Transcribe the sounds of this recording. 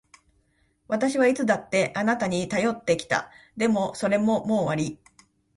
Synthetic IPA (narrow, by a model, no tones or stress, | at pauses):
βat̪aɕiβait͡sɨd̪at̪ːe̞ʔanat̪aɲ̟it̪ajo̞t̪ːe̞kʲi̥t̪a̰d̪e̞mo̞so̞ɾe̞mo̞mo̞ːβaɾʲi